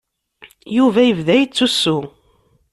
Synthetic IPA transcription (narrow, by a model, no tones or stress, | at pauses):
juvæjəvðæjət͡sːusːu